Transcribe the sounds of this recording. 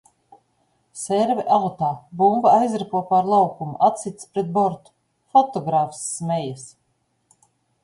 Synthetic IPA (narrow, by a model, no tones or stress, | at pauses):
sɛɾvɛʔalt̪aːbumbaajzɾapuɔpaɾlˠawkumṵʔat̪sʲit̪spɾɛt̪̚bɔɾt̪u̥ | fɔt̪ɔɡɾaːfsːmɛjas